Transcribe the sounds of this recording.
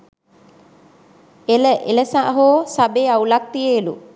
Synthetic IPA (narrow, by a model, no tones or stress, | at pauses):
eləʔḛləsaʔɦoːsabeːaulak̚t̪ijeːlu